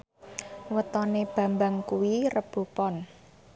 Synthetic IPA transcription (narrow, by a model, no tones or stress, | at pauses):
wət̪ɔneb̥a̤mbaŋkuwirəb̥ṳpɔn